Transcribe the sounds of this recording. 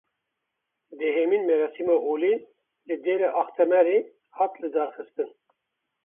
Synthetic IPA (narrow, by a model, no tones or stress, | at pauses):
d̪ɛɦemiːnmɛɾɛsimɑʔoːli | lɨd̪eːɾɛʔɑːxt̪ʰɛmɛɾe | hɑt̪lɨd̪ɑːɾxɨst̪ɨn